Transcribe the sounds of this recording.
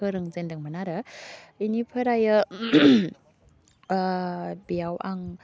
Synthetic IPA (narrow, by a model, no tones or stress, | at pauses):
ɯɾɯŋzendɯŋmanaɾɯinipʰəɾajɯ | bijawʔa̰ŋ